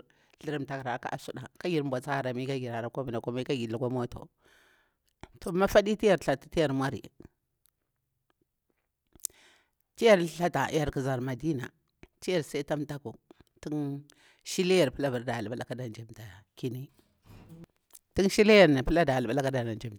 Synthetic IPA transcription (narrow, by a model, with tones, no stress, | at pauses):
ɬi˨ɾi˨mta˨kɾa˨ka̰˦ʔa˨su˦da˨ka˦ɡi˨ɾmbʷa˨t͡sa˦˨ɾa˨mi˦ka˦ɡi˨ɾa˨ɾa˨ka˦mi˨nda˨ka˦ma˦ka˦ɡi˨lu˨ka˦mo˦to̰˨ | to˨˦ma˦fa˦di˦ti˦ja˨ɾɬa˨tḁ˨ti˦ja˨ɾmʷa˦ɾḭ˨ | ti˦ja˦ɾɬa˦ta̰˨˦ja˨ɾki˨za˨ɾma˨di˦na̰˨ | ti˦ja˨ɾsa˦i˦ta˦mta˦ko˨ti˦n | ʃi˦le˦ja˨ɾpə˦la˦ba˨ɾda˨ɓa˦la˦ka˦da˨nd͡ʒe˨mta˨ki˦ni˦ | ti˦nʃi˦le˦ja˦˨ɾn˨pə˦la˦da˨lɓa˦la˦ka˦da˨na˨nd͡ʒe˦˨ma˨